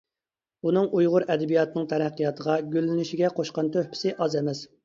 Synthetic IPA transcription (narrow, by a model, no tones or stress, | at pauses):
unɨŋʔujʁʊɾɛd̪ɛbijɑt̪ɨnɨŋt̪ʰɛɾæqːijɑt̪ʰəʁɑɡʲølːɪnɪʃiɡʲɛqʰoʃqɑnt̪ʰøhpʰɪ̥sɪʔɑzɛmɛs